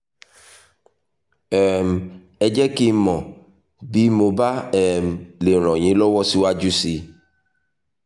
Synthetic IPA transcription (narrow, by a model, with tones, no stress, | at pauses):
ɛ˨m | ɛ˨d͡ʒɛ˦ki˦mɔ̃˨ | bi˦mo˨ba˦ɛ˨m˨le˨ɾ̃ɔ̃˨ɲĩ˨˦lɔ˦wɔ˦si˦wa˦d͡ʒu˦si˨